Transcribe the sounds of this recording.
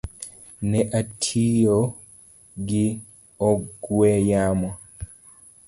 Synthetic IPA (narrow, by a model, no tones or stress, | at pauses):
nɛʔatʰijo | ɡi | ɔɡwɛjama